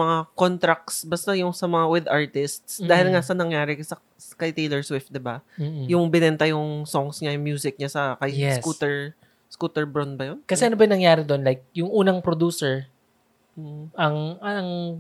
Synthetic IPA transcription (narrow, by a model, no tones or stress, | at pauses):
mɐŋakont̪ɾɐk̚sbɐst̪ajʊŋsɐmɐŋawɪd̪ʔaɹt̪ɪst̪sd̪aːhɪlŋasɐnɐŋjaːɾɪksɐ | kɐjt̪ejlɛɹswɪft̪̚d̪ɪbajʊŋbɪnɛnt̪ɐjʊŋsoŋsɲajʊŋmjuːsɪk̚ɲasɐkɐjskut̪ɛɹ | skuːt̪ɛɹbɹonbɐjonkɐsɛʔɐnobɐjʊnɐŋjaːɾɪd̪onlajk̚jʊŋʔuːnɐŋpɾod̪uːsɛɹ | ɐŋɐɐŋ